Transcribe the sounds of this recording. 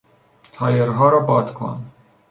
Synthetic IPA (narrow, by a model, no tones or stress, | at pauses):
t̪ʰɑjɛɾɦɑːɾabɑːt̪kʰɑ̰ːn